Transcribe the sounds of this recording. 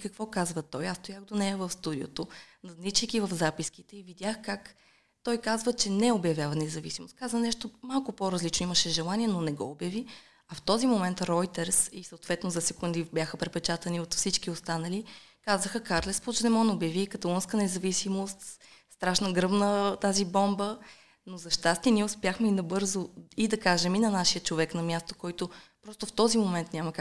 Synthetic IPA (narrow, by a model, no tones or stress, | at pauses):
kəkvɔkazvət̪ɔjast̪ʊjaxd̪onɛjɐvəfst̪ud̪io̰t̪onɐznit͡ʃijkʲivəfzapiskit̪ɛivid̪ʲjaxkak | t̪ɔjkazvət͡ʃɛnɛobjɐvʲjavɐnɛzɐvḭsimost̪kazvənɛʃt̪omalˠkʊpoɾɐzlit͡ʃnoiməʃɛʒɛlˠaniɛnonɛɡɔ̰objɐvi | ɐft̪ɔzimomɛnt̪ɾɔjt̪ɛɾsisəot̪vɛt̪nozɐsɛkund̪ibʲjaxəpɾɛt̪pɛt͡ʃat̪ɐniot̪fsit͡ʃkiost̪anəlikazəxəkaɾlɛspot͡ʃd̪ɛmɔnɛobjɐvikɐt̪ɐlˠunskənɛzɐvisimost̪st̪ɾaʃnəɡɾɤbnət̪azibɔmbə | nozɐʃt̪ast̪iniɛʊspjaxmɛinɐbɤɾzoid̪ɐkaʒɛminɐnaʃijət͡ʃovɛknɐmʲjast̪o̥kɔjt̪opɾɔst̪oft̪ɔzimomɛnt̪nʲaməka